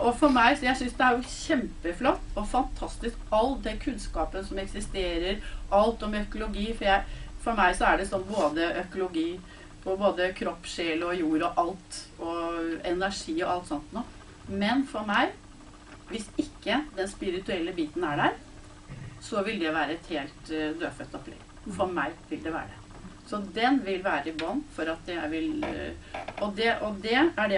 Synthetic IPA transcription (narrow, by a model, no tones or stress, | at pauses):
ʔɔfɔɾmæɪsɔjæɪsʏnsd̪ɛæɾjʊɕɛmpəflɔt̪ːɔfɑnt̪ʰɑst̪ɪskɑlːd̪ɛkʰʉnskɑːpənsɔmɛksɪst̪eːɾəɾʔɑlt̪ɔmɛœkʊlʊɡiːfɔɾjæɪfɔɾmæɪsɔæɖɛsɔnːboːd̪əʔœkʊlʊɡiː | pʰɔboːd̪əkʰɾɔpːʂeːlɔjuːɾɔʔɑlt̪ɔɛnæʂiːɔʔɑlt̪sɔnt̪nuː | mɛnfɔɾmæɪ | ʋɪsɪkːəd̪ɛnspɪɾɪt̪ʉɛlːəbiːt̪n̩æɖæːɾ | sɔʋɪljæɪʋæːɾəɛt̪heːlt̪d̪øːfœt̪ːɔpʰːlɛ̰ɡ | fɔɾmæɪʋɪld̪ɛʋæ̰ːɾɖɛ̰ | sɔd̪ɛnʋɪlʋæːɾəbɑnːfɔɾɑt̪jæɪʋɪl | ɔd̪ɛʔɔd̪ɛæɖɛ